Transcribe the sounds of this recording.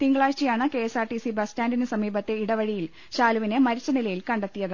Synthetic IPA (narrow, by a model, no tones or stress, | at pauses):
t̪iŋɡɭaːt͡ɕijaːɳɨke̞ːsaːrʈisibɐstaːndinɨsɐmiːbɐt̪ːe̞iɽɐʋɐɻijil | ɕaːluʋinemɐɾit͡ɕːɐnilɐjilkɐɳɖɐt̪ːijɐɣɐ